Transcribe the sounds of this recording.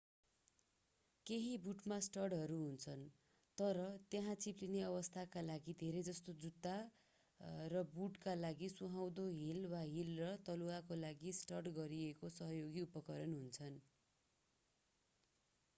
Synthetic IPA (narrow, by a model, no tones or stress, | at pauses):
keɦibuʈmasʈʌrɽɦʌɾuɦunt͡sʰʌn | t̪ʌɾʌt̪jeɦãt͡siplineʌβʌst̪ʰakalaɡid̪ʱeɾejd͡zʌst̪od͡zud̪a | rʌbuʈkalaɡisuɦaw̃d̪oɦilwaɦilrʌt̪ʌluakolaɡisʈʌrʈɡʌɾiekosʌɦʌjoɡiupʌkʌɾʌnɦunt͡sʰʌn